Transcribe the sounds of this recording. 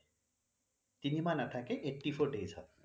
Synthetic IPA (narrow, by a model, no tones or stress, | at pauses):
t̪inimanaʈʰakeʔeʈːipʰoɾɖejsʰɔ̰